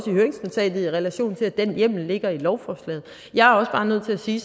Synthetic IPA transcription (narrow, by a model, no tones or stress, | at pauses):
sihøːɐe̝ŋsmot͡sʰɛ̰ːd̥ð̩ˠiʁɛlæɕo̝̰ːnt͡sʰe̝æd̥enjem̰l̩le̝ɡ̥ɐilɒʊfɒːslɛ̰ːð̩ˠ | jɑ̈ɪæɐɒ̽sb̥ɑ̈ːnøð̞̰ˠt͡sʰe̝æsiː